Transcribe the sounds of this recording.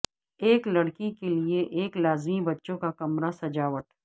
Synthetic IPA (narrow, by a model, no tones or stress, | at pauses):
eːklɐɽkikelieʔeːklaːzmibɐtːʃõkakɐmɾasɐd͡ʒaːʋəʈ